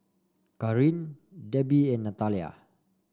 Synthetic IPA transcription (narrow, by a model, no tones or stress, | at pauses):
kaɾin | dɛbiɛnːat̪alia̰